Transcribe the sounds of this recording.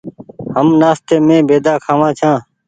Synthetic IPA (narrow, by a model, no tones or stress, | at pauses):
həmnaːst̪eːmẽːbeːd̪aːkʰaːʋãːt͡ʃʰãː